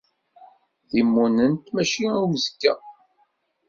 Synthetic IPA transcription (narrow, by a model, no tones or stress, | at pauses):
θimːunənt̪mæʃiwzkːæ